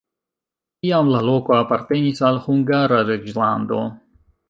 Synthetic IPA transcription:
tijamlalokoapaɾt̪enisalhuŋɡaɾaɾed͡ʒland̪o̰

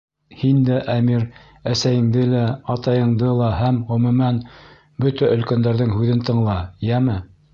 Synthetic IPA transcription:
hind̪æʔæmiɾ | æsæjɘ̆ŋd̪ɘlæɑt̪ɑjɤ̆ɴd̪ɤlˠɑhæmʁɵ̆mɘ̆mæn | bɵt̪æʔɵ̆lkænd̪æɾðɘŋhʉðɘnt̪ɤ̆ɴlˠɑjæmɘ

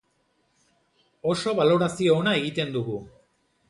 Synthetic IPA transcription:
o̞so̞βalo̞ɾasio̞ːnae̞ɣit̪e̞nd̪uɣu

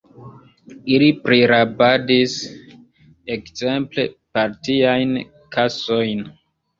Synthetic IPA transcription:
ilipɾiɾabadis | ekz̥e̞mple̞paɾtiajn | kaso̞jn

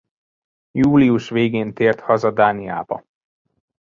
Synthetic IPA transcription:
juːliuʃʋeːɡeːnt̪eːrt̪hɒzɒd̪aːnia̰ːbɒ̰

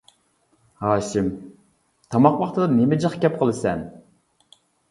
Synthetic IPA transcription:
hɑːʃim | t̪ʰɑmɑqwɑχt̪ʰɨd̪ɑnemɪd͡ʒəχkʲɛp̚qʰəlˠɨsɛn

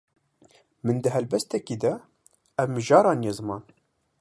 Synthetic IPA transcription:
mɨnd̪əɦɛlbɛst̪ɛkiːd̪ɛ | ɛvmɨʒɑːɾɑːnjezɨmɑːn

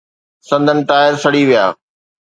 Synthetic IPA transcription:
sɐ̃nd̪ʱənɪ̆ʈaːɪəɾsɐɽiʋija̰ː

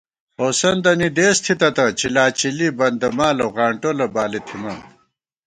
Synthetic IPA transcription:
oːsɐnd̪ɐnid̪eːst̪ʰit̪ɐt̪ɐt͡ɕilaːt͡ɕilibɐnd̪ɐmaːlɐwɣaːɳʈolɐbaːlit̪ʰimɐn

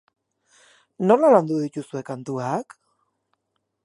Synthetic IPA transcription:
no̞laland̪uðic̪usue̞kant̪uak

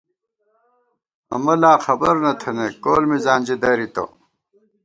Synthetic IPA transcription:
ɐ̰mɐlaːxɐbɐɾnɐt̪ʰɐnekoːlmizaːnʲd͡ʑid̪ɐɾit̪o̰

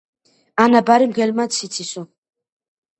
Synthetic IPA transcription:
anabaɾimɡɛlmasʰit̪sʰisu

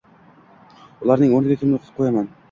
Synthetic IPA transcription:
ʊlˠɑɾnɪŋonɪɡʲakʲʰɪmloqʰt̪ɪ̥p̚qʰojaman

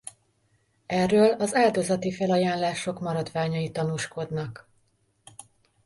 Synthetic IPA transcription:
ɛrːøːlɒzaːld̪o̞zɒt̪ifɛlɒjaːnlaːʃo̞kmɒɾɒd̪ʋaːɲɒjit̪ɒnuːʃko̞d̪nɒk

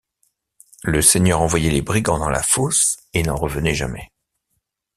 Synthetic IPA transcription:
ləsɛɲœʁɑ̃vwajɛlebʁiɡɑ̃d̪ɑ̃la̰fosenɑ̃ʁəvənɛʒa̰mɛ

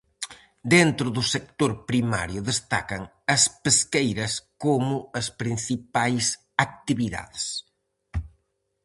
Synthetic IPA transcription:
d̪ent̪ɾʊðʊsek̚t̪oɾpɾima̰ɾjʊðest̪a̰kɐŋ | ɐspeskejɾɐskomʊɐspɾinsipajs | ak̚t̪iβiða̰ðs

